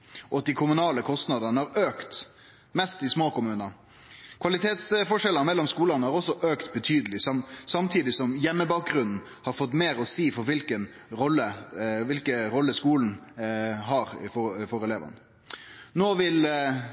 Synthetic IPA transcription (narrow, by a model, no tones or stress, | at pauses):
ʔɔt̪̚d̪ɪkʰʊmʉnɑːləkʰɔst̪nɑd̪ənəhɑɾøːkt̪ | mɛst̪ɪsmoːkʊmʉːnɑ | kʰʋɑlɪt̪ʰeːt̪sfɔʂɛlːəmɛlːɔmskuːlɑnəhɑɾɔsːɔʔøːkt̪̚bɛt̪ʰyːd̪əlɪsɑmsɑmt̪ʰiːd̪ɪsɔmjɛmːəbɑːk̚ɡɾʉnn̩ | hɑɾfɔt̪ːmeːɾɔsiːfɔɾʋɪlkən | ɾɔlːəʋɪlkəɾɔlːəskuːln̩ | ɦɑɾfɔfɔɾɛleːʋə̰n | noːʋɪl